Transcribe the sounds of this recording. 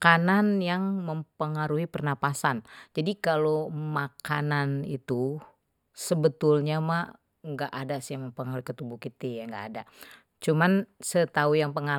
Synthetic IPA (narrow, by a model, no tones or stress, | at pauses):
kananjaŋməmpəŋaɾuɦipərnapasand͡ʒadikalomakananit̪u | səbət̪ulɲamaʔ | ŋɡaʔadasijaməmpəŋaɾuikət̪ubukit̪ijaŋɡa̰ʔːda | t͡ʃumansət̪aujaŋpəŋa